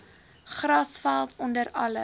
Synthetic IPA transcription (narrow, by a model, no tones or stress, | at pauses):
χrɐsfælˠtʰɔndəɾɐlə̰